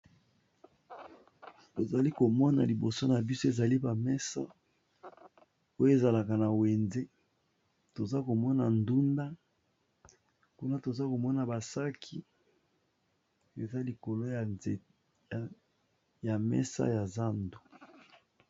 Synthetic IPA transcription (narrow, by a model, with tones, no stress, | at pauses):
to˨za˨li˦ko˨mɔ˦na̰˨li˨bo˨so˦na˨bi˦so˦e˨za˨li˦ba˨mɛ˦sa̰˦ | o˦jo˦e˨za˨la˨ka˨na˨we˨nze˦ | to˨za˦ko˨mɔ˦na˨ndu˦nda˦ | ku˦na˦to˨za˦ko˨mɔ˦na˨ba˨sa˦kʰi˦ | e˨za˦li˨ko˨lo˦j | ja˨mɛ̰˦sa̰˦ja˨za˦ndo̥˨